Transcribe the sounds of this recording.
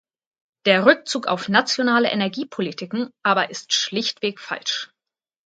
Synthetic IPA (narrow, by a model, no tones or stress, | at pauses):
d̥eːɐʁʏk̚t͡suːka̰ʊfnat͡sjonaːləʔenɛɐɡiːpʰolitʰɪkŋ̩ʔaːbɐʔɪstʃlɪçtv̥eːkfa̰lʃ